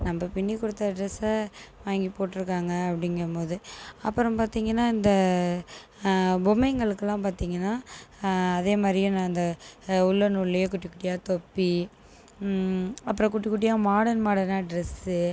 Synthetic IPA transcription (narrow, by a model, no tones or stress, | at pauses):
nɐmbɐpɪɳːikʊɽɯt̪ːɐɖɾɛsɐʋaːŋɡipoːʈːɪɾɯkːaːŋɡɐɐpːɐɽɪŋɡɾɐmoːðɯɐpːɯɾɔ̃paːɾt̪iːŋɡɐnːaːɪnd̪ɐ | bʊmɛɪŋɡɐɭɯkːɐlːãːpaːɾt̪iːŋɡɐnːaː | ɐðeːmaːd̪ɾɪjʊ̃nãːɪnd̪ɐʊɭːɐnuɭlːɐjeːkʊʈːɪkːʊʈɪjaːt̪ɔpːi | ɐpːɯɾɔ̃kʊʈːɪkːʊʈ̬ːɪjaːmaːɽɐnmaːɽɐnaːɖɾɛsɯ